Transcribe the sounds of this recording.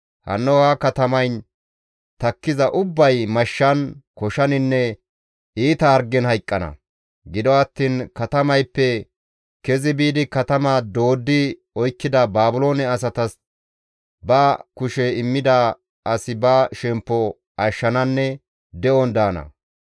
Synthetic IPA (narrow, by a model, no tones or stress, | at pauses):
hɐ̰nːɔhakɐt̪ɐmɐjn | t̪ɐkːɪzɐʔʊbːɐjmɐʃːɐnkɔʃɐnɪnːɛ | iːt̪ɐɐɾɡɛnhɐjkʼːɐnɐ̰ | ɡɪd̪ɔɐt̪ːiːnkɐt̪ɐmɐjpːɛ | kɛzɪbiːd̪ɪkɐt̪ɐmɐd̪o̞ːd̪ːɪ | ɔjkːɪd̪ɐbaːbʊlo̞ːnɛɐs̬ɐt̪ɐs | bɐkʊʃɛɪmːɪd̪ɐ | ʔɐsɪbɐʃɛmpːɔ | ʔɐʃːɐnɐnːɛ | d̪ɛʔɔnd̪aːnɐ̰